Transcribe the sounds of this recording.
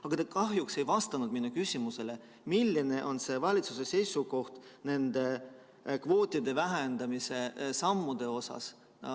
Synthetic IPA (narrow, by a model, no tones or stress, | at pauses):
ɑɡ̥ɑt̪ekɑɦjukse̞jvɑst̪ɑnud̪̥minːukysʲimuse̞le̞ | milʲːine̞ʔo̞nse̞vɑlʲit̪suse̞se̞jsuko̞ht̪ne̞nd̪̥e̞ | kvo̞ːt̪ʲːˑid̪e̞væɦend̪̥ɑmise̞sɑmːud̪̥e̞o̞sɑ̰s